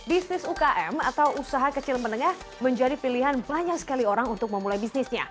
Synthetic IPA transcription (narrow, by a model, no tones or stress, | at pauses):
bisnɪsukaʔɛma̰t̪awusaɦakət͡ʃɪlmənəŋah | məɲd͡ʒadipiliɦanbaɲak̚sə̥kalioɾaŋunt̪ʊk̚məmulajbisnɪsɲa